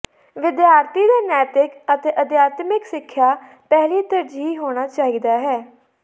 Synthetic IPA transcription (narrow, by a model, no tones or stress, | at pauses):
ʋɪd̪jaːɾt̪ʰiːd̪eːnɛːt̪ɪkət̪eːʔəd̪jaːt̪mɪksɪkʰːjaː | pɛːliːt̪əɾd͡ʒiːɦoːɽ̃aːt͡ʃaːid̪aːɦɛː